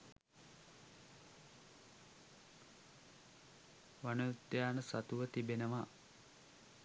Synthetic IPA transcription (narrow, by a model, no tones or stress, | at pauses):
ʋanəjut̪jaːnəsat̪uʋət̪ibenəʋa